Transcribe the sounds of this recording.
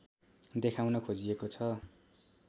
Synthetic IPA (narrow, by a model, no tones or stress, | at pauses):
d̪ekʰawnʌkʰod͡ziekot͡sʰʌ